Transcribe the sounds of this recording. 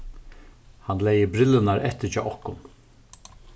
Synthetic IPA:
hanlɛjəbɾɪlɪnaɾɛht̪ɪt͡ʃɔːʔɔhkʊn

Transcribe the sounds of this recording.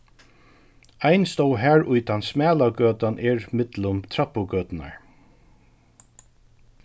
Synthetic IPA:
ajnst̪owɦæːɹʔʊjt̪ansmæːlaɡœːt̪anʔɛɹmɪt̪lʊmt̪ʰɾapːʊɡœːt̪ɪna̰ɹ

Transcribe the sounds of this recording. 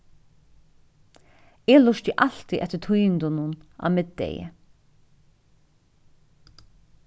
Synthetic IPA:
eːlʊʃt̪iʔal̥t̪iʔɛht̪ːət̪ʰujɪnd̪ʊnʊna̰mɪd̪ɛ̰jə̰

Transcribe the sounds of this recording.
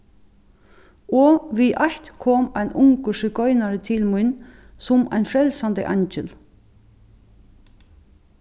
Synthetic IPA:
ɔːʋiːʔɑht̪kʰɔːmæɪnʔʊŋkəʃʏkɔʏnaɾət̪ʰɪlmʊn | sʊmʔæ̰ɪjnfɾɛlsand̪ə̰ʔɑ̰ɲt͡ʃəl

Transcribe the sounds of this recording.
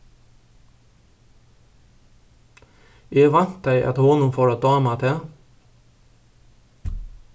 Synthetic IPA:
eːʋɑnt̪̚d̪æɪʔɑ̰t̪hɔnʊmfɔɾɑtd̪ɑːmɑt̪ʰe

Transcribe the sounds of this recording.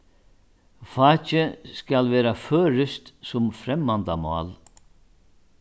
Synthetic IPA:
faːt͡ʃɪskalʋɛːɾaføːɾɪst̪sʊmfɾɛmːant̪amɔ̰ːl

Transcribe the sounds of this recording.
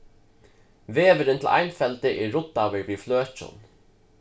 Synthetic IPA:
veːʋəɾɪnt̪ʰɪlʔa̰jnfɛlt̪ɪʔɛːʊt̪ːawɪɹviːfløːt͡ʃʊ̰n

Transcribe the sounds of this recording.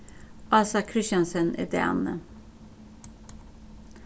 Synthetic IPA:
ʔɑːsɑkʰɾɪʃɑnsənḛd̪ḛɑ̰nə̰

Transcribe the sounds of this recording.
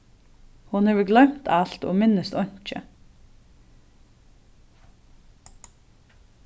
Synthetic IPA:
hʊnheːʋəɡlœmt̪ʰɑɬt̪o̰ːmɪnəst̪ɔɲt͡ʃə̰

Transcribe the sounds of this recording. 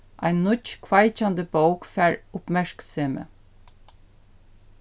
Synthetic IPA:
ʔɑ̰ɪnnʊt͡ʃkʰʋɑɪc͡çɑnd̪əboʊkfæːɹʊpmæʃkseːmə̰

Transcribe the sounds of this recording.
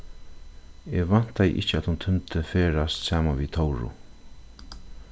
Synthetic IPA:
eʋan̥t̪ajɪ̰ʔɪ̰ht͡ʃəat̪hunt̪ʰʏnt̪ʰəfeːɾast̪saːmanʋit̪ʰɔwɾʊ̰

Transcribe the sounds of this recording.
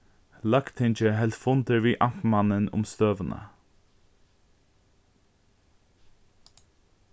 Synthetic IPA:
lakt̪ʰɪnt͡ʃəɦɛlt̪fʊnt̪əɹviːʔampmɑnənʊ̰mst̪øːvənʔə̰

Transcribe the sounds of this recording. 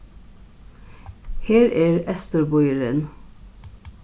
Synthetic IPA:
heːɾæːɹɛst̪əɾbɔʏəɾən

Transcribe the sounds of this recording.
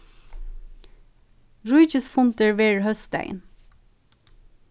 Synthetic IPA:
ɹuʏçəsfʊnt̪əɹʋeːɹhœst̪æ̰ɪn

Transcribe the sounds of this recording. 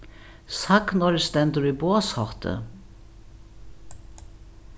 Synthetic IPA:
saknɔɾɪst̪ɛnt̪əɾiboːɐshɔht̪ʰə̰

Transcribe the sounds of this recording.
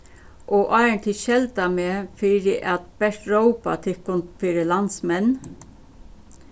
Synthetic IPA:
ʔɔʔɑɪɹɳt̪ʰɪʃɛlt̪ameːfɪɾɪʔat̪̚b̥ɛʂʈ̪ɹowpa̰t̪ʰɪkʊnt̪fɪːɾəlansmɛn

